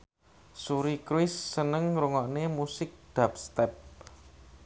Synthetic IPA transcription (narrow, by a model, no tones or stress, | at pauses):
suɾikɾuwɪsːənəŋɾuŋɔʔnemusɪk̚d̪̥a̤p̚st̪ɛp̚